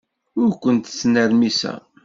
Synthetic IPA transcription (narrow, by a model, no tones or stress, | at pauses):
ʊɾkʷənt̪t͡sːnəɾmisæ̰